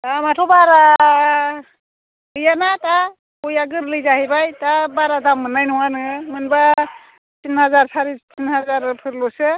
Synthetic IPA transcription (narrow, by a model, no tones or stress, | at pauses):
tamatʰɔbaɾa | bɯjanata | kɔjaɡɯɾlɯjzahibajtabaɾadamːɯnːajnɔwanɯmɯnba | tinɦazaɾsʰaɾitinɦazaɾpʰɯɾlɔsɯ